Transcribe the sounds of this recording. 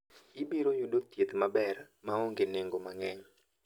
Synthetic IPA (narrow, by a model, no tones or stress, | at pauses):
ɪbiɾojudot̪jet̪mabɛr | maoŋɡeneŋɡomaŋɛɲ